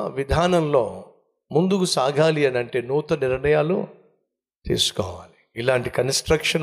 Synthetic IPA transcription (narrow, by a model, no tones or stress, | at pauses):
ʋid̪ʱaːnɐmlo̞ː | mund̪ukusaːɡʱaːliɐnɐɳʈe̞ːnuːt̪ɐniɾɳɐjaːlṵ | t̪ḭːsu̥kɔ̰ːʋaːli | ilaːɳʈikɐnsʈɾɐkʂɐn